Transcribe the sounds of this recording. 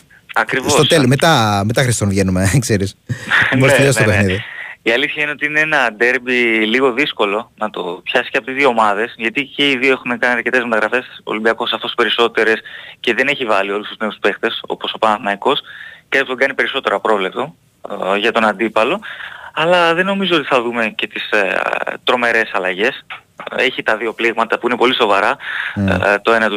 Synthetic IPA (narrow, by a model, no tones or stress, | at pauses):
ɐkɾivsos̞st̪oselmet̪ɐmet̪ɐxɾist̪onvʝenume̞kseɾismoeʎosopexniððiiɐliθçɐineo̞t̪iine̞enɐd̪e̞ɾbiliɣo̞ðisko̞lo̞nɐt̪o̞pçɐsi̥ceɐpot̪izðioomɐðe̞sʝɐt̪iceiðio̞exunekɐniɐɾce̞t̪e̞zmet̪ɐɣɾɐfe̞so̰limbiɐko̞sɐfo̞spe̞ɾiso̞t̪e̞ɾe̞sce̞ðe̞ne̞çivɐlio̞lust̪uzne̞uspe̞xt̪e̞so̞̰po̞so̞pɐnɐθnɐiko̞skɐput̪ɡɐnipe̞ɾiso̞t̪e̞ɾɐpɾo̞vle̞p̚t̪o̞ | ʝɐt̪o̞nɐnd̪ipɐlo̞ɐlɐðe̞no̞mizo̞ot̪iθɐðume̞ce̞t̪is | t̪ɾo̞me̞ɾe̞sɐlɐʝe̞se̞çit̪ɐðio̞pliɣmɐt̪ɐpuine̞po̞liso̞vɐɾɐ | t̪o̞e̞nɐt̪u